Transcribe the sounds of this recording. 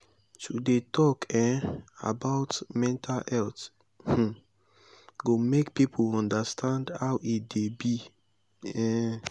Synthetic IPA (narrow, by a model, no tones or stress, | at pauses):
tudetʰɔkɛ̃a̰baʊtmɛ̃ntʰalɛlt | h̩ | ɡomekpipʰolɔ̃ndastʰãndhaʊʔitdebi | ɛ̃